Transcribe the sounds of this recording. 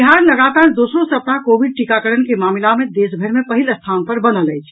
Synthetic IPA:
iɦaɾləɡat̪aːɾd̪osɾõsəpnakobiɖ̚ʈikakəɾənkemaːmlamẽd̪esbʱəɾmepəɦiləst̪ʰanpəɾbənələjt͡ʃʰ

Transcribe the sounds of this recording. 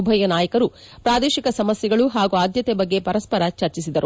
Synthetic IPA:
ubʱɐjɐnaːjɐkɐɾu | pɾaːd̪eːʃikɐsɐmɐsjɛɡɐɭuɦaːɡuaːd̪jɐt̪ebɐɡːe̞pɐɾɐspɐɾɐt͡ʃɐɾt͡ʃisid̪ɐɾu

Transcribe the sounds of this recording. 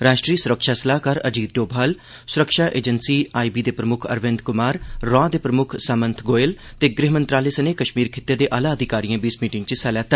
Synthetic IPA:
ɾaːʃʈɾiːsʊɾəkʃaːsəlaːkaːɾə̰d͡ʒiːt̪̚ɖoːbʱaːl | sʊɾəkʃaːʔḛːd͡ʒənsiːaːibiːd̪eːpɾəmʊkʰə̰ɾʋɪ̃nd̪kʊmaːɾːɔ̃ːd̪eːpɾəmʊkʰsaːmə̃nt̪ʰɡoːel | t̪eːɡɾɪɦmənt̪ɾaːleːsəneːkəʃmiːɾkʰɪt̪ːed̪eːʔaːlaːəd̪ʱɪkaːɾijãːbiːsmiːʈɪ̃ŋɡt͡ʃəsɛlɛːt̪ː

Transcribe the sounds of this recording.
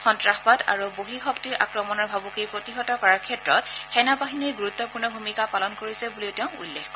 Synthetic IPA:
xɔntɹaxbada̰ɹuboɦixɔktiɹʔa̰kɹɔmɔnɔɹbʱabukejpɹotiɦɔtɔkɔɹaɹkʰɛtɹɔtxɛnabaɦinejɡuɹut̪ːɔpuɹnɔbʱumikapalɔnkoɹisɛbuliʊtɛʊ̃ṵlːekxɔ

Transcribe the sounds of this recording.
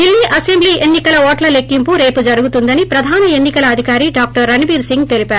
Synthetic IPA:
ilniʔɐsembliːʔenːikɐlɐɔːʈlɐlekːimpuɾe̞ːpud͡ʒɐɾuɡut̪und̪ɐnipɾɐd̪ʱaːnɐe̞nːikɐlɐːd̪ʱikaːɾiɖaːk̚ʈɐɾːɐnibiːɾsiŋɡt̪e̞lipaːɾ

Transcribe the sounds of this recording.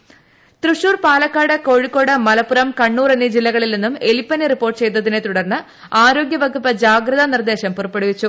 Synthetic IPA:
t̪ruʂuːrpaːlɐkːaːɽɐko̞ːɻikːo̞ːɽɐmːɐlɐpːuɾɐmkɐɳːuːrenːid͡ʑilːɐɣɐɭilninːumelipːɐneripːoːrʈːɨt͡ɕe̞jt̪ːɐðinet̪uɽɐɾnɨ | aːɾo̞ːɡjɐʋɐɡupːɐd͡ʑaːɡrɐðɐnird̪e̞ːɕɐmpurɐpːeɽuʋit͡ɕːu

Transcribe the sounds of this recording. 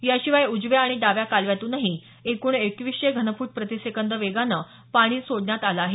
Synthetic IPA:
jaɕiʋajud͡zʋjaːɽ̃iɖaʋjakalʋjat̪uːnaɦi | ekuːɳekʋiɕeɡʱənəfuːʈ̚pɾət̪isekənd̪ɾəʋeɡanəː | paɽ̃iːsoɽɳjat̪alaːɦe

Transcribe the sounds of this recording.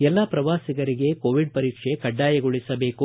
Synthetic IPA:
ɛlːɐpɾɐʋaːsiɡɐɾiɡe̞koːʋiɖ̚pɐɾiːkʂekɐɖːaːjɐɡoɭisɐbe̞ːku

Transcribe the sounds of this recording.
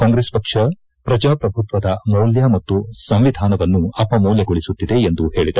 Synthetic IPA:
kaːŋɡɾeːspɐkʂɐ | pɾɐd͡ʒaːpɾɐbʱut̪ʋɐd̪ɐmɐwljɐmɐt̪ːusɐmʋid̪ʱaːnɐʋɐnːuɐpɐmoːljɐɡoɭisut̪ːid̪e̞ːnd̪uhe̞ːɭid̪ɐɾ

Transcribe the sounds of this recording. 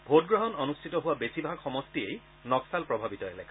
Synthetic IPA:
bʱot̚ɡɹɔɦɔnɔnustʰitɔɦʊwabesibʱaɡxɔmɔstiej | nɔksalpɹɔbʱabitɔɛlɛ̰k

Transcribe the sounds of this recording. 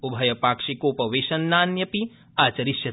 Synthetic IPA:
ubʱɐjɐpaːkʂikoːpɐʋeːʃɐnːaːnjɐpi | aːt͡ʃɐɾiʃjɐ

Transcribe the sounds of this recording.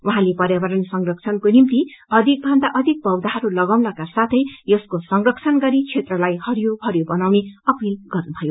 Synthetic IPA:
uɦãlepʌɾjabʌɾʌnsʌŋrʌk̚t͡sʰʌnkonimt̪iʌd̪ʱik̚bʱʌnd̪aʔʌd̪ʱik̚bʌwd̪aɦʌɾulʌɡawnʌkasat̪ʰʌjjʌskosʌŋrʌkt͡sʰʌnɡʌɾit͡sʰet̪rʌlajhʌɾjobʱʌɾjobʌnawneʌpilɡ̥ʌrnubʱʌjo

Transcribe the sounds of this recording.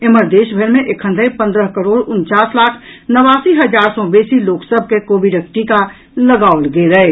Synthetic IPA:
eməɾd̪eːʃbʱeɾmẽʔekʰə̃nd̪ʱəipə̃nd̪ɾəɦkəɾoːɽʊnt͡ʃaːslaːkʰnəʋaːsiɦəd͡ʒaːɾsɔbeːsiloːksəb̚ʱkekoːbiɖək̚ʈika | ləɡaːolɡeɾəe

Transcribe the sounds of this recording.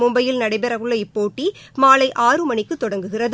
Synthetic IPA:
mʊmbɐjɪlnɐɽɐɪbɛɾɐɣɯɭːɐɪpːoːʈːimaːlɐɪʔaːrɯmɐɳɪkːɯt̪ːɔɽɐŋɡɯɣɪrɐð

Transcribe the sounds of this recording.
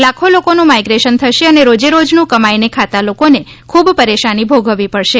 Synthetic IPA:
lakʰolokonũmajɡɾeʃənt̪ʰəʃeəneɾod͡ʒeɾod͡ʒnũkəmajnekʰat̪alokone | kʰubpəɾeʃanibʱoɡʱəʋipəɽʃe

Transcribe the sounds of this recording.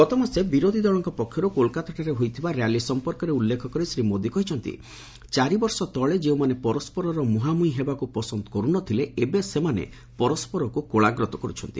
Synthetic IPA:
kɔt̪ɔmasebiɾod̪ʱid̪ɔɭɔŋkɔpɔkʰːjɔɾukolkat̪aʈaɾeɦojt̪ʰibaɾjalisɔmpɔɾkɔɾeulːekʰɔkɔɾisɾimod̪ikɔɦit͡ʃʰɔnt̪ḭ | t͡ʃaɾibɔɾsɔt̪ɔɭed͡ʒeumanepɔɾɔspɔɾɔɾɔmuɦamuĩɦebakupɔsɔnd̪ɔkɔɾunɔt̪ʰileebesemanḛ | pɔɾɔspɔɾɔkukoɭaɡɾɔt̪ɔkɔɾut͡ʃʰɔnt̪i

